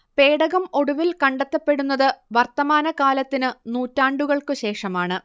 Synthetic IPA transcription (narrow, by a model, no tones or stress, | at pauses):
pe̞ːɽɐɣɐmo̞ɽuʋilkɐɳɖɐt̪ːɐpːe̞ɽunːɐðɨʋɐrt̪ɐmaːnɐkaːlɐt̪ːinɨnuːtːaːɳɖuɣɐɭkɨɕe̞ːʂɐmaːɳɨ